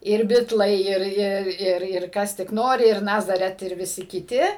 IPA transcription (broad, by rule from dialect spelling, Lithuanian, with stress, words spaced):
ɪr ˈbʲɪtlˠɐɪ ˈɪr ˈɪr ˈɪr ˈɪr ˈkɐs tʲɪk ˈnoːrʲɪ ɪr ˈnɑːzɐrʲɛt ɪr ʋʲɪˈsʲɪ kʲɪˈtʲɪ